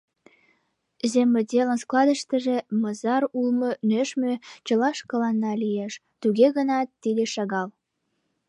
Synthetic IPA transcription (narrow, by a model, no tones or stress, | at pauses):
zemĕd̪ʲelənsklɑd̪əʃt̪ə̆ʒĕmɤzɑɾulmɤ̆nøʃmøt͡ɕə̆lɑʃkə̆lɑnːɑlijeʃ | t̪uɣeɣənɑt̪ːid̪eʃɑɣɑl